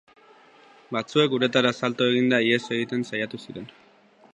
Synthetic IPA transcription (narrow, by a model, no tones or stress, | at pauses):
bat͡sue̞kuɾe̞t̪aɾasalt̪oe̞ɣind̪aiesoe̞ɣit̪e̞nsajat̪usiɾe̞n